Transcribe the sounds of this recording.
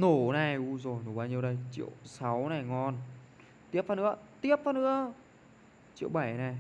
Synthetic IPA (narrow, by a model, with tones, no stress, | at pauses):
no˧˩na˨˩jʔu˧zo˨˩jno˨˧˩ɓaː˧ɲi˧əwɗə˧jt͡ɕḭ˧˨əwsa˨˦wna˨˩jŋɔ˧n | t̪i˦˥əp̚fa˧nɨ̰˧˥ət̪i˦˥əp̚faː˧nɨ̰˧˥ə | t͡ɕḭ˧əwɓa˧˩jna˨˩j